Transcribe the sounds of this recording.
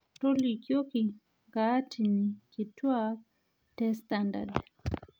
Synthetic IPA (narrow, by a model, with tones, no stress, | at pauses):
to˦li˨kjo˦ki˨ | ŋɡa˦tiniki˨twa˦ | tɛstanda̰d